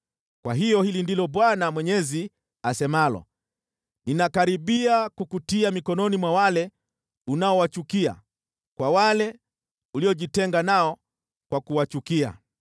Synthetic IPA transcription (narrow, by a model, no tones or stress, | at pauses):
kwa̰ɦijɔhilindilɔɓwanamwɛɲɛzi | asɛmalɔ̰ | ninakaɾiɓiakukutiamikɔnɔnimwawalɛ | unaɔwat͡ʃukia̰ | kwawalɛ | uliɔʄitɛŋɡanaɔ | kwakuwat͡ʃukia̰